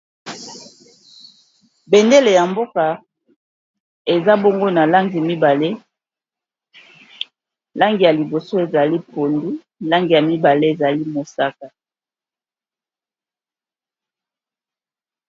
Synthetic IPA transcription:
be˨nde˦le˨ja˨mbo˦ka˨ | e˨za˦bo˦ŋɡo˦na˨la˦ŋɡi˨mi˦ba˨le˦ | la˦ŋɡi˨ja˨li˨bo˨so˦e˨za˨li˦po˨ndi˦ | la˦ŋɡi˨ja˨mi˦ba˨le˦e˨za˨li˦mo˨sa˦ka˨

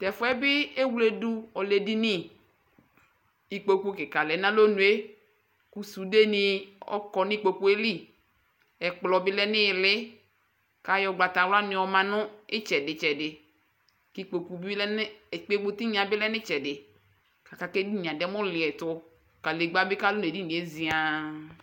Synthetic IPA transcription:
t̪ɛ˨fʊ˦ɛ˦bɪ˦e˦wle˨du˦ɔ˨le˨di˦nɪ̃˦ | i˨k͡po˨ku˦kɪ˨ka˨lɛ˨˦nã˦lo˦nũ˨e˦ | ku˦su˨de˦nɪ˦ɔ̰˦kɔ˨nɪ̃˦k͡po˨ku˦e˦li˦ | ɛ˨k͡plɔ˨bɪ˦lɛ˦nɪ̃˦˨lɪ˦ | ka˦jɔ˨ɡ͡ba˨t̪a˨wla˦nɪ̃˨wɔ˨mã˨nʊ̃˦ɪ˦t͡ʃɛ˨dɪ˨t͡ʃɛ˨dɪ˨ | ki˦k͡po˨ku˨bi˦lɛ˦nɪ˦˨k͡pe˦ɡ͡bʊ˦t̪i˦ɲĩ˨˦a˨bɪ˦lɛ˦nɪ̃˦t͡ʃɛ˨dɪ˨ | ka˨ka˨ke˦di˦nĩ˨a˨dɛ˦mʊ̃˦lɪ˨ɛ˨t̪ʊ˦ | ka˨le˨ɡ͡ba˦bɪ˦ka˦lo˦n˨e˨di˦nĩ˨e˦zi˨˦a˨

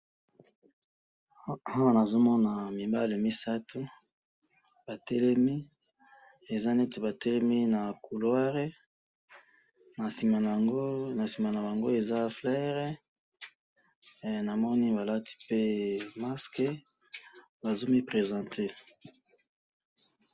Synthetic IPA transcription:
a˦wa˨na˨zo˦mɔ˦na˨mi˨ba˦le˨mi˦sa˦tʰu˦ | ba˨tɛ˦lɛ˦mi˦ | e˨za˦ne˦te˨ba˨tɛ˦lɛ˦mi˦na˨ku˨lwa˦ʁe˦ | na˨si˨ma˨˦ | na˨si˨ma˨na˨ba˨ŋɡo˦e˨za˦flɛ˦ʁe˦˨ | na˨mɔ˦ni˦ba˨la˦ti̥˦pe˦ma˦ske˦ | ba˨zo˦mi˦pʁe˨zɑ̃˨tʰe˦

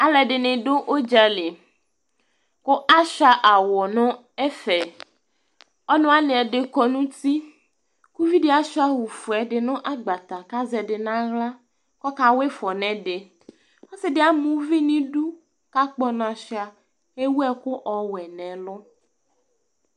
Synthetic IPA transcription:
a˨lɛ˨ɖɪ˨nɪ̃˨ɖo˦ʔo˦d͡ʒa˦le˨ | kʊ˦ʔa˦ʃa˦ʔa˨wɔ˨nɔ̃˦ | ɛ˦fɛ˨ | ɔ˦nɔ̃˦a˦nɪ̃˨ɛ˨ɖɪ˨kɔ˦nũ˦t̪i˦ | ku˦vi˦ɖɪ˦a˨ʃa˦wu˨fu˨ɛ˨ɖɪ˨nɔ̃˦ʔa˦ɡ͡ba˨t̪a˨ka˦zɛ˨ɖɪ˨nã˦ɣla˦ | kɔ˦ka˦we˦fɔ˨nɛ̃˨ɖɪ˨ | ɔ˦sɪ˨dɪ˨˦a˨˦mũ˦vi˦nĩ˦ɖu˦ | ka˦k͡pɔ˦nã˨ʃa˨ | e˦wu˦ɛ˦kʊ˦ʔɔ˨wɛ˨nɛ̃˨lɔ˦

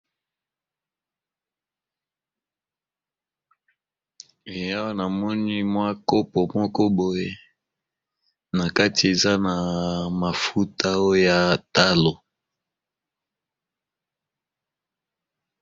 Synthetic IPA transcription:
e˨ja˦wa˦na˨mɔ˦ni˦mwa˦ko˦pɔ˨mɔ˦kɔ˦bo˨je˦ | na˨ka˦ti˨e˨za˦na˨ma˨fu˦ta˦o˦ja˨ta˦lo˨

